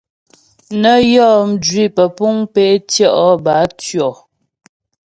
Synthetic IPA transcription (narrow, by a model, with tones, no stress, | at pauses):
nə˦jɔ˦˨m̩˨d͡ʒɥi˦˨pə˨pu˦ŋpe˦tjɔ˦˨ʔɔ˨˦ba˨˦tɥɔ˨